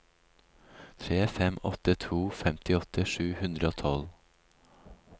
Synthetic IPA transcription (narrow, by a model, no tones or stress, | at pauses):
t̪ʰɾeːfɛmɔ̰t̪ət̪ʰuːfɛmt̪ɪɔt̪əʂʉːhʉnd̪ɾəoːt̪ʰɑl